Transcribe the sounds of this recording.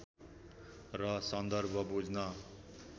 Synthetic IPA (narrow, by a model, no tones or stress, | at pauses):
rʌsʌnd̪ʌrbʱʌbud͡znʌ